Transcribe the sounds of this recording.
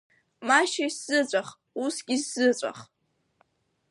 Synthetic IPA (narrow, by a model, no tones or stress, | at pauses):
maʃajsz̥ɨt͡ɕʷʼaχ | usɡʲisz̥ɨt͡ɕʷʼa̰χ